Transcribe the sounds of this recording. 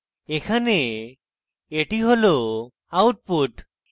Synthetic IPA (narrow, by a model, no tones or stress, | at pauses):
ekʰane | eʈiɦolo | awʈ̚puʈ